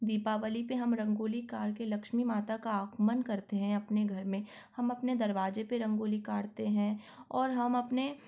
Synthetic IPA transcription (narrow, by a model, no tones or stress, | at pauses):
d̪iːpaʋəlipeɦɐmɾɐ̃ŋɡoːlikaːɾkelɐkʃmimaːt̪akaaːkmənkɐɾt̪eɦɛ̃ɐpneɡʱɐɾmẽ | hɐmɐpned̪ɐɾʋaːd͡ʒepeɾɐ̃ŋɡoːlikaːɽt̪eɦɛ̃ | ɔːɾɦɐmɐpne